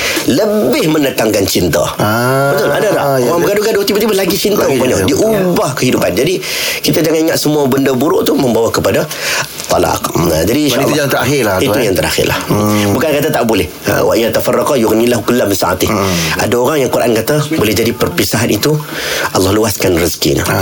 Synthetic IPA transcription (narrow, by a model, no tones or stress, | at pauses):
ləbɪhmənət̪aŋkant͡ʃint̪a̰bət̪ʊladada̰aŋbəkadukaduat̪ibət̪ibəlaɡit͡ʃint̪apaɲadiʔubahkəɦidupand͡ʒadi | kit̪ad͡ʒaŋaniŋaʔ̪səmuabəndəbuɾʊʔt̪uməmbawakəpada | t̪ˤːɑlɑ̰qad͡ʒadiːnʃaʔlːjat̪əɾaɪltiujaŋt̪əɾa̰xɪ̰rla̰hbukankat̪at̪aʔbolɪhə̰waʔɲat̪afarːakajʊɣnilaɦkulːamənsa̰a̰t̪ɪʔa̰daoɾaŋjaŋkuɾʔa̰nkat̪abolɪhd͡ʒadipərpisaɦanit̪uʔɑlˠːɑhluaskanrizkḭnə̰